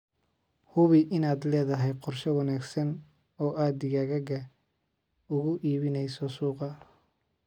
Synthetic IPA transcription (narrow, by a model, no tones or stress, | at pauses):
hʊβɪʔɪnaːd̪lɛːðɐɦɛjqɔrʃɛwɑnaːɡsɐn | ɔːʔaːd̪ɪɣɐɣɐɡɐ | ʊɣʊʔiːβɪnɛjsɔsuːqɐ